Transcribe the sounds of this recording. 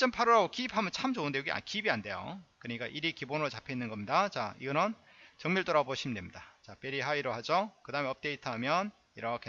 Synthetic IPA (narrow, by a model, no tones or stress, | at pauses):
t͡ɕ͈ʌmpʰaɾuɾaɡokiːphamɯnt͡ɕʰamd͡ʑoɯnde̞joɡia̰kibiande̞jo̰kɯɾɲik͈aʔiɾikibonɯɾot͡ɕapʰe̞inːɯnɡʌmɲidat͡ɕaiɡʌnɯn | t͡ɕʌŋmuɭt͈oɾaboɕʰimdwemɲidat͡ɕap͈eɾiɦaiɾohad͡ʑokɯdaɯme̞ʌp̚t͈e̞itʰamjʌn | iɾʌkʰe